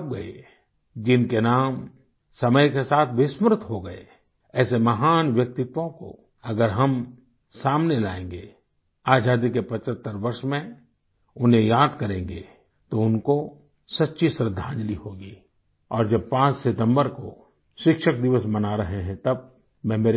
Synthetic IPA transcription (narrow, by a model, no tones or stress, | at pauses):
p̚ɡɐḛ | d͡ʒɪnkenaːm | sɐməjkesaːt̪ʰʋɪsmɾt̪ʰɦoɡɐḛ | ɛːsemɐɦaːnʋjɐk̚t̪ɪt̪ʋõko̰ | ɐɡəɾɦɐm | saːmnelaːẽːŋ̆ɡeː | aːd͡ʒaːd̪ikepɐt͡ʃət̪ːəɾʋɐɾʃmẽ | ʊnɦẽjaːd̪kɐɾẽːŋɡḛ | t̪oʊnko | sɐtːʃisɾəd̪ʱːãːd͡ʒliɦoːɡiː | ɔːɾd͡ʒɐb̚pãːt͡ʃsɪt̪ə̃mbəɾko̰ | ʃɪkʃək̚d̪ɪʋəsmɐnaɾɐɦeɦɛ̃t̪ɐb̚ | mɛ̃meːɾe